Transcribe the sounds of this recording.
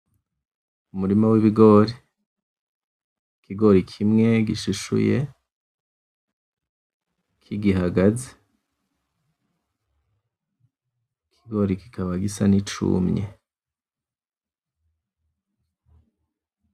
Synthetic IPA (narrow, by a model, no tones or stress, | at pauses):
umuɾimawiβiɡo̞ɾi | kiɡo̞ɾikʰimŋe̞ɡiʃuʃṵje | kʰiɡiɦaɡaze̥ | kʰiɡo̞ɾiki̥kaβaɡisa̰nit͡ʃṵmɲe